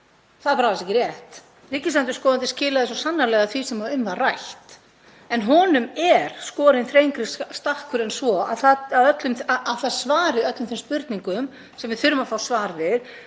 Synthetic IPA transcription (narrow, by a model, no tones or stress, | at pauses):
θaðpaɾaast̪ɛcɪɾrjɛht̪ | riːcɪsant̪ʏ̥skɔːðant̪ɪscɪːlaðɪs̬ɔsanːaɾlɛɣaθvisɛmaʏmvarajht̪ | ɛnɦɔːnʏmɛɾ̥skɔːɾɪnθfɾejŋkɾɪsst̪ahkʏɾɛnsvɔa̰ðθaaðœt̪lʏmθaaðθasvaːɾɪœt̪lʏmθɪmspʏɾt̪niŋkʏm | sɛmvɪðθʏɾʏmafaːwsvaːɾðɪð